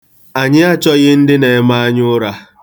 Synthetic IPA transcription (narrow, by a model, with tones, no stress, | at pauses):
a˨ɲɪ˦a˦t͡ʃɔ˦ɣɪ˦n̩˦dɪ˦ne˨˦ma˦a˦ɲʊ˦ɾa˦